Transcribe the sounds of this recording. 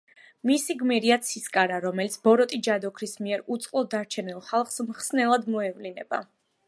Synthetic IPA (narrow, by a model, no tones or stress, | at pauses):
misiɡmiɾiat̪sʰiskʼaɾaɾɔmɛlit̪sʰbɔɾɔt̪ʼid͡ʒad̪ɔkʰɾismiɛɾut̪sʼqʼlˠɔd̪aɾt͡ʃʰɛnilˠχalˠχsmχsnɛlˠad̪mɔɛvlinɛb̥a̰